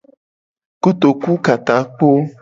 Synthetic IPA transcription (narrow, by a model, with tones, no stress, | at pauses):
ko˦t̪o˨ku˦ka˨t̪ã˨˦k͡po˦